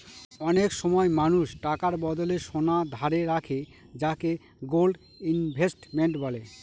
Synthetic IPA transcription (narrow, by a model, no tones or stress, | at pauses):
ɔnekʃɔmɔemanuʃʈakaɾbɔd̪oleʃonad̪ʱaɾeɾakʰe | d͡ʑake | ɡolɖ | inbʱesʈmeɳʈbɔle